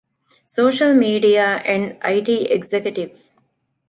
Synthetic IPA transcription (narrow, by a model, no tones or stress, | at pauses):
soːʃɐlmiːɖijaːʔɛ̃ɳɖa̰iʈiːʔeɡzekjuʈiʋ